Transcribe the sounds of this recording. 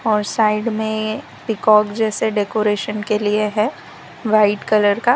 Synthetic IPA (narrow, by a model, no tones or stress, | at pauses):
ɔːɾsaːɪɖmẽ | pɪkɔːkd͡ʒɛːseɖekoːɾeːʃənkelieɦɛ | ʋaːɪʈkɐləɾka